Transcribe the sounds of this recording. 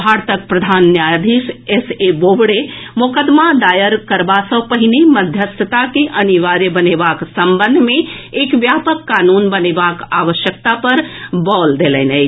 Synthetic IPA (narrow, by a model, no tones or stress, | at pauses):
ɦaɾt̪ək̚pɾəd̪ʱaːnːjad̪ʱisesebobɽemʊkəd̪mad̪aːjəɾkəɾbasə̃wpəɦɪneməd̪ʱjəst̪ʰət̪akeʔəniʋaɾjəbənebaksə̃mbənd̪ʱmẽ | ekʋjapəkːaːnunbənebakaːʋəʃjək̚t̪apəɾbɔːld̪elɛnə